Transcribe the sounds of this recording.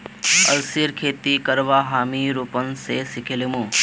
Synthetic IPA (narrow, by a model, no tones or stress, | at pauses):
əlsiɾkʰeːt̪ikəɾʋaːɦaːmiːɾuːpənsesɪkʰelimũː